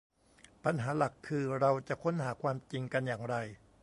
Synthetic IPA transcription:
pa˧nɦaː˩˦la˨˩kʰːɯː˧ɾa˧wt͡ɕa˨˩ʔkʰo˧˥nɦaː˩˦kʰwaː˧mt͡ɕi˧ŋka˧njaː˨˩ŋɾa˧j

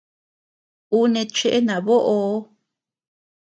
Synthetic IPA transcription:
u˦nẽ˧t͡ʃe˦˧ʔe˦nã˨βo˦ʔo˧˦

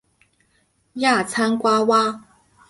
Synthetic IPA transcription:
ja˥˩t͡sʰa˥nkwa˥wa˥

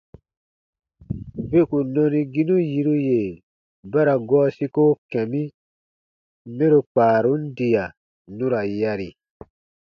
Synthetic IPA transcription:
be˦ku˨nɔ̃˧nĩ˧ɡi˦nũ˦ji˨ɾu˦je˨ | ba˦ɾa˨ɡɔː˦si˦ko˦kɛ̃˨mĩ˦ | mɛ̃˦ɾo˨k͡paː˨ɾu˦n̩˦di˨a˨ | nũ˦ɾa˨ja˧ɾi˨

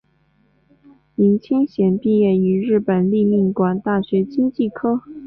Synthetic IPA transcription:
i˧˥ŋt͡ɕʰi˥ŋɕjɛ˨˩npi˥˧jɛ˥˩y˧˥ɻɻ̩˥˩pə˨˩nli˥˧mi˥˩ŋkwa˨˩nt̪a˥˩ɕɥɛ˧˥t͡ɕi˥ŋt͡ɕi˥˩kʰɤ˥

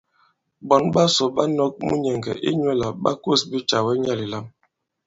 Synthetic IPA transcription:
bɔ˨nba˦sɔ˨ba˦nɔ˦k̚mṵ˦ɲɛ˨ŋɡɛ̰˨ʔḭ˦ɲwɛ˦la˨ɓa̰˦ko˦˨sbi˦t͡ʃa˨wɛ˦ɲa˦li˨la˦m

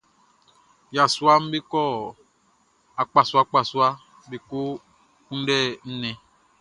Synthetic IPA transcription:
ja˨su˦a˦m̩˦be˦kɔ˦˨ | a˨k͡pa˨su˨˦a˦k͡pa˨su˦a˦ | be˨ko˦ | ũ˦ɖɛ˦˨n̩˦nɛ̃˦

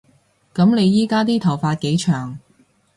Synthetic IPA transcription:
kɐ˨˥mne˨˧jjiː˥kaː˥t̪̬iː˥t̪ʰɐ˨˩wfaː˧t̚ke˨˧˥jt͡ʃʰœː˨˩ŋ

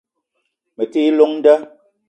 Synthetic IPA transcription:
me˨ti˦lo˦ŋn̩˦də˦

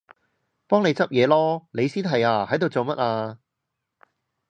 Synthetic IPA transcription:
pɔː˥ŋne˨˧jt͡sɐ˥p̚jɛː˨˧lɔː˥ne˨˧jsiː˥nt̪ʰɐ˨˩jaː˧hɐ˨˥jt̪o˨wt͡so˨wmɐ˦˥t̚aː˧

